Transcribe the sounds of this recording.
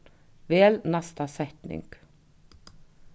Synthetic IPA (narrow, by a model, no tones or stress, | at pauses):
veːlnast̪asɛht̪nɪ̰ŋk